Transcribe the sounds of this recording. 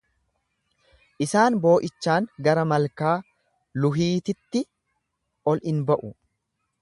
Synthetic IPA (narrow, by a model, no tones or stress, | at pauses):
ʔɪsaːnbo̞ːʔɪt͡ʃːaːŋɡɐɾɐmɐlkaː | lʊɦiːt̪ɪt̪ːɪ | ʔɔlɪnbɐʔʊ